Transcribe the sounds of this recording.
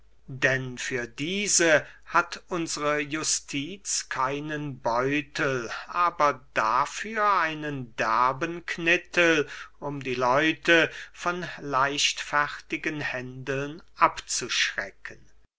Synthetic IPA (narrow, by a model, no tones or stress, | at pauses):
dɛnfyːɐdiːzəhatʔʊnzəʁəjʊstʰiːt͡skʰaɪnənbɔʏtʰəlʔaːbɐd̥afyːɐaɪnəndɛɐbənkʰnɪtəlʊmdiːlɔʏtəfɔnlaɪʃtfɛʁtɪɡənhɛndl̩nʔapt͡suʃʁɛ̰kʰən